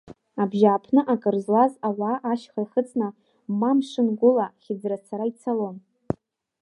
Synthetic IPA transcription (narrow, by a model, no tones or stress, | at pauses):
abʒaːpʰnɨʔakʼɨrzlazawaːʔaʃχaχət͡sʼnɨ | mamʂɨnɡʷʊlaχʲɪd͡zrat͡sʰaɾait͡sʰalon